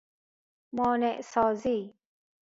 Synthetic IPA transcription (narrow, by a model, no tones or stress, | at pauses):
mɔːneʔsɔːziː